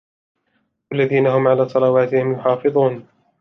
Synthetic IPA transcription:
walːaðiːnahʊmʕalaːsˤɑlɑwaːt̪ɪhɪmjʊħɑːfɨðˤuːn

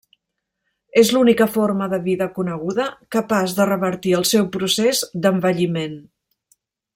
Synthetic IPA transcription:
ezlunikəfoɾməðəβiðəkunəɣ̞uðəkəpazðərəβəɾt̪iəlˠsɛwpɾusezd̪əmbəʎimen

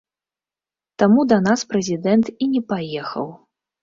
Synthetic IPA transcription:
t̪amud̪ɐnaspɾɛzʲid̪ɛnt̪inʲɛpajɛxɐ̰w

